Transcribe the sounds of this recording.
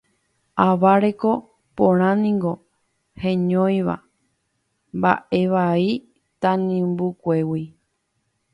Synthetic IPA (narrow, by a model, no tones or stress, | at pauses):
aʋaɾe̞ko̞ | põɾ̃ãnĩŋɡo̞ | hẽɲõj̃ʋa̰ | mba̰ʔe̞ʋai | t̪ãnĩmbukʷe̞wi